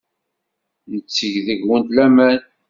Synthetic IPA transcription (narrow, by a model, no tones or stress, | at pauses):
nət͡sːəʝðəʝwənt̪læmæn